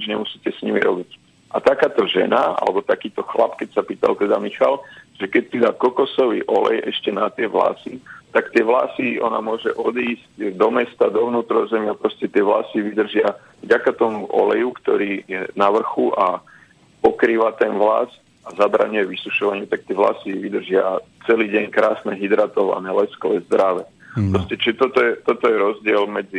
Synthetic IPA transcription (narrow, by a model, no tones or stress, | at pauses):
ɲid͡ʒɲɛmusiːcɛsɲimiɾɔbic | ʔat̪akaːt̪ɔʒɛ̰naa̰lɛbɔt̪akiːt̪ɔxla̰pkɛcsapiːt̪a̰lt̪ɛd̪amixalʒ̥ɛkɛc̚pid̪aːkɔkɔsɔʋḭːʔɔlɛ̰jɛʃcɛnat̪ɪɛʋla̰ːsit̪akt̪ɪɛʋla̰siɔ̰na̰mʊɔʒɛʔɔd̪iːzcd̪ɔmɛst̪ad̪ɔʋnuːt̪ɾɔzɛmɪapɾɔscɛt̪ɪɛʋlaːsiʋid̪r̩ʒɪa | vɟakat̪ɔmuʔɔ̰lɛjukt̪ɔɾiːjɛnaʋr̩xuʔa | pɔkɾiːʋat̪ɛnʋla̰s | azabɾa̰ɲujɛʋisuʃɔʋaɲɪut̪ak̚t̪ɪɛʋla̰siʋid̪r̩ʒɪat͡sɛliːɟɛɲkɾaːsnɛɦid̪ɾat̪ɔʋa̰nɛlɛsklɛzd̪ɾaʋɛ | pɾɔscɛt͡ʃiʒɛt̪ɔt̪ɔjɛt̪ɔt̪ɔjɛɾɔzɟɪɛlmɛd͡zi